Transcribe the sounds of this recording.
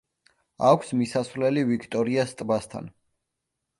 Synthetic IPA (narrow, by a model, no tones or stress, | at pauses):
akʷʰsmisasvlɛlivikʰt̪ʼɔɾiast̪ʼbast̪ʰa̰n